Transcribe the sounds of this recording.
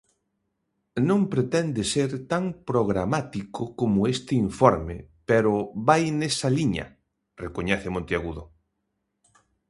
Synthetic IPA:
nõŋpɾet̪ɛnd̪eseɾt̪aŋpɾoɣɾamat̪ikʊkomʊest̪ɪiɱfɔɾmepeɾʊβajnesaliɲɐ̰ | rekoɲɛθemõnt̪eaɣuðʊ

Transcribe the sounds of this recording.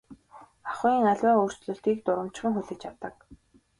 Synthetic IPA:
aχʊːiːŋaɮʲwæːɵr̥t͡ɕɮɵ̆ɬt̪ɡiːk̚t̪ʊɾə̆m̥t͡ɕχɘ̆ŋxuɮɘ̆t͡ɕawt̪ə̆k

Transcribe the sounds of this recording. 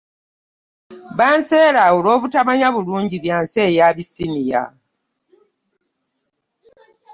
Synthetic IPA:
βaːnse̞ːɾaolo̞ːβutaβaɲaβuluːɲɟiβjaːnseːjaβisinija̰

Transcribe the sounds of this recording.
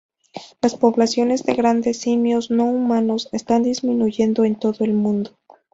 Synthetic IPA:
laspo̞βlasjo̞ne̞zðe̞ɣɾand̪e̞simjo̞zno̞umãno̞se̞st̪and̪izmĩnuʝe̞nd̪o̞e̞nt̪o̞ðoe̞lmũnd̪o

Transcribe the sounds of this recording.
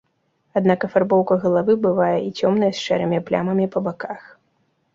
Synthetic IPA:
ad̪nakɐfarbɔwkɐɣɐlˠavɨbɨvajɛʔit͡sʲɔmnɐjɛsʂɛ̰ɾɨmʲiplʲa̰mɐmʲipɐbakax

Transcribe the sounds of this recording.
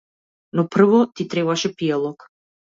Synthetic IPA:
nɔpr̩vɔt̪it̪ɾɛβaʃɛpialˠɔk

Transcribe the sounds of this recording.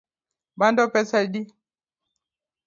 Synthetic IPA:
bandɔpɛsadi

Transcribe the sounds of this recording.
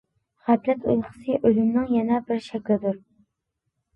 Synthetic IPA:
χæplɛt̪ʰṵjχə̥sɨʔølymnɨŋjɛnɛbɪɾʃɛkʲlɪd̪uɾ

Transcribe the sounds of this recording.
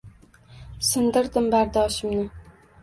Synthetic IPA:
sɪnd̪ɪɾd̪ɪmbaɾd̪ɒʃɪmnɪ

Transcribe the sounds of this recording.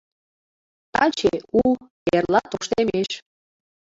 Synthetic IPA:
t̪ɑt͡ɕeu | erlɑt̪oʃt̪emeʃ

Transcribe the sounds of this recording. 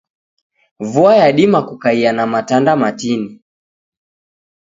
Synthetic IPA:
vuajaɗimakukaianamatandamatini

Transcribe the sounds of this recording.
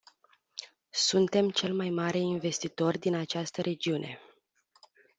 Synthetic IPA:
sunt̪e̞mt͡ʃe̞lmajmaɾe̞inve̞st̪it̪o̞rʲd̪inat͡ʃast̪əɾʔe̞d͡ʒiune̞̰

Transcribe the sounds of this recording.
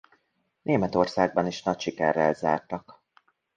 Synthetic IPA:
nʔeːmɛt̪o̞rsaːɡ̚bɒniʃnɒcʃikɛ̰rːɛ̰lza̰ːrt̪ɒk

